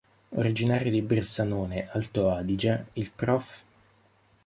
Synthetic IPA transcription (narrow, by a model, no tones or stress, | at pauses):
o̰ɾid͡ʒinaːɾjod̪ibɾesːanoːneʔalt̪oaːd̪id͡ʒailpɾɔf